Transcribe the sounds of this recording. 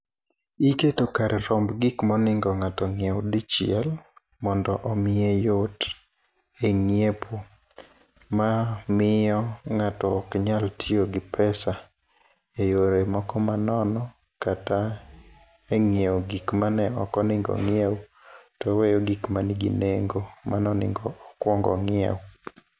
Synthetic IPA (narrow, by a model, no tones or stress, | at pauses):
iketokaɾʔeɾɔmbɡikmɔnɪŋɡɔŋatɔŋɪewdit͡ʃɪɛl | mɔndɔʔɔmɪejot | eŋjepʰo | mamɪɔŋatɔːkɲaltʰioɡɪpʰɛsa | ejoɾemɔkɔmanɔnɔ | kata | eŋjewɡikmanɛɔkɔnɪŋɡɔ̰ŋɪɛw | tɔwejoɡikmaniɡḭneŋɡomanɔnɪ̰ŋɡɔɔkwɔŋɡɔ̰ŋɪɛ̰w